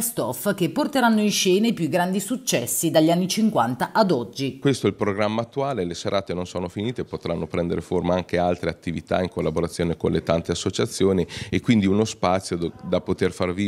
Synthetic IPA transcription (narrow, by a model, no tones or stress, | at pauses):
st̪ɔfk̟epːort̪eɾanːoinʃɛːnepjuɡːɾand̪isut͡ʃːɛsːid̪aʎːanːit͡ʃiŋkwant̪aʔad̪ɔd͡ʒːikwest̪oɛlpɾoɡɾamːaːt̪ːuaːleleseɾʔaːt̪enonsoːnofiniːt̪epːot̪ɾanːopɾɛnd̪eɾeformaaŋkealt̪ɾeat̪ːivit̪a̰iŋkolːaboɾat̪sːjoːnekonlet̪ant̪easːot͡ʃat̪sːjoːniekːwind̪iunospat̪sːjod̪apot̪erfarvi